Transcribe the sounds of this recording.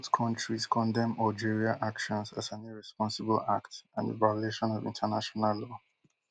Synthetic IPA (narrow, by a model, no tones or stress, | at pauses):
tkʰɔ̃ntɹiskʰɔ̃ndɛ̃mald͡ʒiɹiaʔakʃɔ̃nzazãniɹɛspɔ̃nsɪbəla̰ktãndə̰vajɔleʃɔ̃nɔvḭ̃ntʰənaʃɔnallɔ